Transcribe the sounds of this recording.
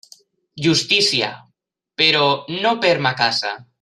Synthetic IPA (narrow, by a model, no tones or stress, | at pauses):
ʒust̪isja̰ | peɾonopeɾmakasa̰